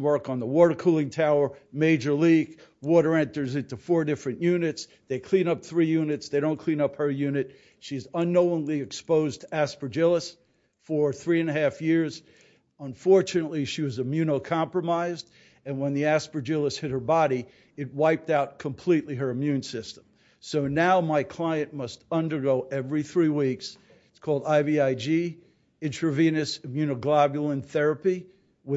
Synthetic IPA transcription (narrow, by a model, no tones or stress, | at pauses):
wɜ˞kn̩ðəwɔɾə˞kʰulˠɪ̃ŋtʰaʊə˞meɪd͡ʒə˞likwɔɾə˞ɛ̃ntə˞zɪ̃ntufɔɹdɪfɹɨ̃njʉnɨtsðeɪkʰl̥ĩnʌp̚θɹijʉnɨtsðeɪɾõʊ̃nkʰl̥ĩñʌphə˞jʉnɨt̚ | ʃizə̃nːoʊɪ̃ŋliɨkspoʊztʰæspə˞d͡ʒɪlˠəs | fə˞θɹiɨ̃nɨɦæfjɪɹz | ə̃ɱfɔɹt͡ʃɨnətˡliʃiwʌzɨmjʉnoʊkʰɑ̃mpɹəmaɪzd | ɨ̃nwə̃nðiæspə˞d͡ʒɪlˠəshɪt̚hə˞bɑɾi | ɨt̚waɪp̚taʊt̚kʰə̃mpʰl̥iʔˡliə˞ɨmjʉ̃nsɪstə̃m | soʊnaʊmaɪkʰl̥aɪɨ̃nmʌstʌ̃ndə˞ɡoʊʔɛvɹiθɹiwiks | ɪtskʰɔlˠdaɪbiaɪd͡ʒi | ɪ̃ntʰɹɨvĩnɨsɨmjʉñoʊɡlɑbjl̩ˠə̃nθɛɹɨpi | wɨ